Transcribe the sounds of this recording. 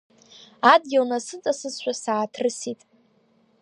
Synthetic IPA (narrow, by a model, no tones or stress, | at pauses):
ad̚ɡʲalnasɨt͡sʼasɨsʃʷᶣasaːtʰrɨsitʼ